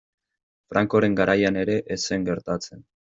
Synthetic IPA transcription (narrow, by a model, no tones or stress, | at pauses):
fɾaŋko̞ɾe̞ŋɡaɾʔajane̞ɾe̞ʔese̞ŋɡe̞ɾt̪at͡se̞n